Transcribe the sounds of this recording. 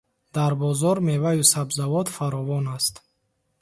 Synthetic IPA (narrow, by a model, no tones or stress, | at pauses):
d̪aɾbɔzɔɾmevajusabzavɔt̪faɾɔvɔnast̪